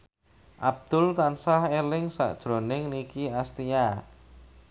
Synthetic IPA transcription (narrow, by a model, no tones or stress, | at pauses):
ʔab̚d̪̥ʊlt̪ansahelɪŋsa̰ʔd̥ʒ̥ɾonɪŋnikiast̪ija